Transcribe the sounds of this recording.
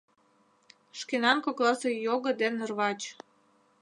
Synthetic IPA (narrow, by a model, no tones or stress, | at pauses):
ʃkenɑnkoklˠɑsɤ̆joɣɤ̆d̪enərβɑt͡ɕ